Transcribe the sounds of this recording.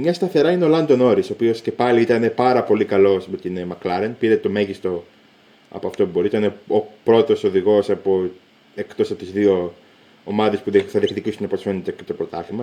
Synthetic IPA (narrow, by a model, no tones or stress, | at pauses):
mɲɐst̪ɐθe̞ɾɐineolɐnd̪o̞no̞ɾiso̞ːpio̞sce̞pɐliit̪ɐne̞pɐɾɐpo̞likɐlo̞smet̪inemɐklɐɾenpiɾet̪o̞me̞ʝist̪o̞ | ɐ̰po̞ɐft̪o̞pubo̞ɾiit̪ɐne̞opɾo̞t̪o̞so̞ðiɣo̞sɐpo̞ | e̞kt̪o̞sɐpot̪izðio̞ | omɐðe̞spuðθɐðiexticisunepo̞sfe̞net̪eket̪opɾo̞t̪ɐfimɐ